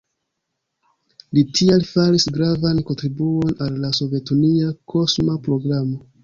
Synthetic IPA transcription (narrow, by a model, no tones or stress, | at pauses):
litʰialfaɾisɡɾavanko̞ntɾibuo̞nalːaso̞vje̞tuniakʰo̞smapɾo̞ɡɾamo̞